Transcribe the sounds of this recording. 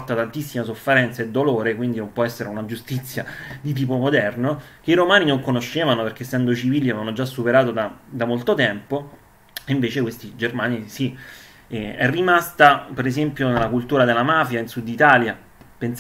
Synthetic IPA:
t̪at̪ant̪isːimasofːeɾɛnt̪saed̪ːoloːɾekwind̪inompwɔɛsːeɾeunad͡ʒust̪it̪sːjad̪it̪̬iːp̬omod̪ɛrnok̟eiɾomaːninoŋkonoʃːeːvanoperk̟esːɛnd̪oit͡ʃiviːljiavanːod͡ʒasːupeɾaːt̪od̪ad̪amolt̪ot̪ɛmpo | iɱveːt͡ʃekwest̪id͡ʒermaːnisi | ɛɛ̰rːimast̪apeɾezempjonelːakult̪uːɾad̪elːamaːfjainsud̪ːit̪aːlja | pens

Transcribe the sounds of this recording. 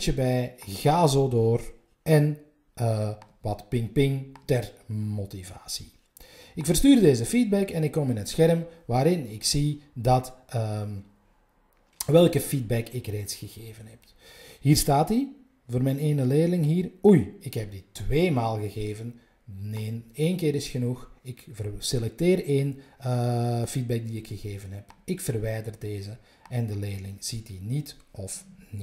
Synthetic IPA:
t͡ʃəbɛjɣaːzoːdoːr | ʔɛn | ʋɑtpɪŋpɪŋtɛrmotiva̰ːsi̥ | ɪkfərstyːrdeːzəfid̚bɛkɛnɪkːɔmɪnɦətsxɛrəmʋaːɾɪnɪksidɑtː | ʋɛlˠkəfid̚bɛkʰɪkreːtsxəɣeːvənɦɛp̚ | ɦiːrstaːti | voːrmɛjneːnəleːdəlɪŋɦiːrujɪkɦɛp̚ditβeːmaːlˠɣəɣeːvən | neːneːnkeːɾɪsxənuxɪkvərselɛk̚teːreːnəfid̚bɛk̚diɪkxəɣeːvənɦɛpɪkfərʋɛjdərdeːzə | ɛndəleːdəlɪŋz̥itinitʔɔfnit

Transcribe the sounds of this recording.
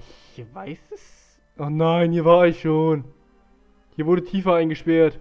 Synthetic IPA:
ʔɪçvaɪsɛs | ʔanaɪnhiːɐvaːɐɪçʃoːn | hiːɐvʊɐdətʰiːfɐaɪnɡəʃpɛɐt

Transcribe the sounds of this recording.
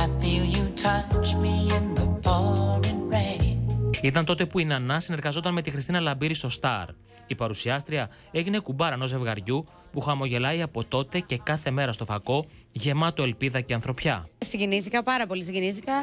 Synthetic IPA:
aɪfilˠjɨtʰʌt͡ʃmiɪ̃nðəbɔnɨ̃nɹe | it̪ɐnt̪o̞t̪e̞puinɐnɐsine̞ɾɣɐzo̞t̪ɐnme̞t̪ixɾist̪inɐlɐbiɾist̪o̞st̪ɐɾ | ipɐɾusiɐst̪ɾiɐ | e̞ʝine̞kubɐɾɐno̞ze̞vɣɐɾʝu | puxɐmo̞ʝe̞lɐjɐpo̞t̪o̞t̪e̞ce̞kɐθe̞me̞ɾɐst̪o̞fɐko̞ | ʝe̞mɐt̪oe̞lpiðɐce̞ɐnθɾo̞pçɐsiɲɟiniθikɐpɐɾɐpo̞lisiɲɟiniθikɐ

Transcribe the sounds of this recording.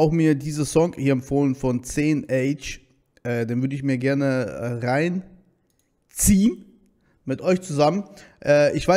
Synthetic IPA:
aʊxmiːɐdiːzəzɔŋhiːɐɛmfoːlənfɔnt͡seːnʔɛɪt͡ʃ | ʔɛːdeːnvʏɐdəɪçmiːɐɡɛɐnəʁaɪn | t͡siːn | mɪtʔɔʏçt͡suzamənʔɛːʔɪçv̥aɪ

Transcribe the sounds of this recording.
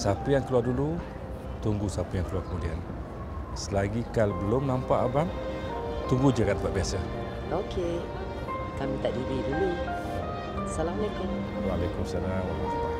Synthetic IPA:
sapəjaŋkəluadulu | t̪uŋɡusapəjaŋkəluakəmudian | səlaɡikalbəlomnampaʔabam | t̪uŋɡud͡ʒəkat̪əpaʔ̚biasa | okʰe | kamĩt̪aʔdididulu | salamalajkʊm | walajkuməsalamwalast̪a

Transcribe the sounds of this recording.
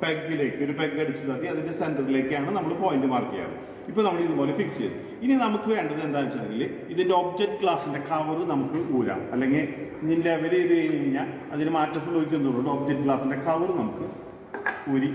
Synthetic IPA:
b̥eɡːile̞ːkːɨo̞ɾubeɡɨkɐɽit͡ɕːusɐðiɐðinde̞sendɐrile̞ːkːɨjaːɳɨnɐmːɐɭɨpo̞ːjindɨpaːrkːija̰ːɳɨ̰ | ipːoːnɐmːɐɭeiðuboːlefiksijɐ̰ðɨ | ininɐmukːɨʋeːɳɖɐðɨe̞nd̪aːnit͡ɕːɐðeŋɡil | iðindeo̞b̚d͡ʑek̚ʈːɨkɭaːsinde̞kɐʋɐrɨnɐmukːɨuːɾa̰ɐlːeŋɡilninleʋɐliiðɨeːjɲiɻiɲːaːl | ɐðindɨmaːtːɐs̬ɐmbɐɡikʲːunðoɭːoɳɖɨo̞bd͡ʑekʈːɨkɭaːsinde̞kɐʋɐrɨnɐmukːɨ | uɾi

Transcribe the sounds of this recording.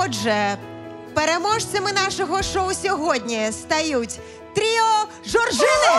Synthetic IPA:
ɔʒɛ | peɾemɔʃt͡sʲɐmɪnɑʃɔɦɔʃɔwsʲɔɦɔdʲnʲist̪ɐjutʲ | t̪ɾʲiɔ | ʒɔrʒɪnɪ

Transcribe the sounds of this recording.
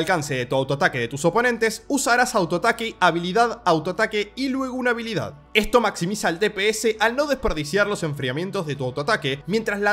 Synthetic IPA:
alkanseðe̞t̪uawt̪oat̪akeðe̞t̪uso̞po̞nẽ̞nt̪e̞susaɾasawt̪oat̪akeaβiliðaðawt̪oat̪akeilwe̞ɣ̞ounaβ̞iliða̰ð | e̞st̪o̞maksimisaelt̪epeeseʔalno̞ðe̞speɾðisjaɾlo̞se̞ɱfɾiamje̞nt̪o̞zðe̞t̪uawt̪oat̪akemje̞nt̪ɾasla

